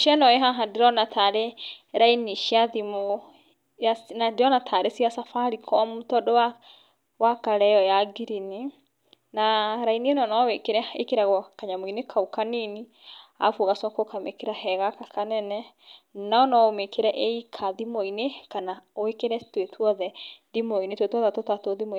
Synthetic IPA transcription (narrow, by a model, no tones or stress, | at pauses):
ʃianɔeɦaɦadeɾɔnatʰaɾeɾainiʃiaðimo | jasnadeɾɔnatʰaɾesiasafaɾikʰɔmutɔdowa | wakaɾɛjɔjaɡiɾini | naɾainienɔnɔwekeɾɛekeɾaɣɔkaɲamoinekʰaukanini | a̰fuɣasɔkokamekeɾahɛɣakakanɛnɛ | naɔnɔomekʰeɾɛʔeikʰaðimoinekanaoekeɾɛtwetʰwɔðɛðimoinetwetwɔðɛtotatoðimoi